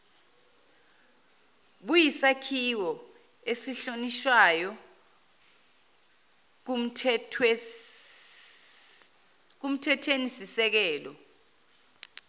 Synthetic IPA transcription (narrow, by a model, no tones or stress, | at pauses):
ɓujisakʰiwɔ | esiɬoniʃwajɔ | k̬um̩tʰɛtʰwenisisɛk̬ɛːlɔ